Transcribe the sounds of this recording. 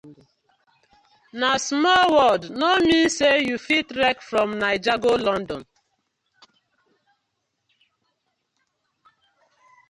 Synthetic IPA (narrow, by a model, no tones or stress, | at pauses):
nasmɔlwɔdnomĩnsejufitɾɛkfɹɔ̃mnaɪd͡ʒaɡolɔ̃ndɔ̃n